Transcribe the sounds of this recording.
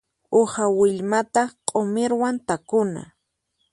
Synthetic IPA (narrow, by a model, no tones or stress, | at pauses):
ohawɪʎmat̪aqʼomɪɾwant̪akʊna̰